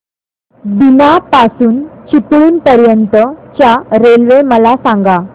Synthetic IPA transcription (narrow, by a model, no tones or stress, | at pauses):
binapasuːnt͡ɕipɭiːnpəɾjənt̪ət͡ɕjaɾelʋeməlasaŋɡa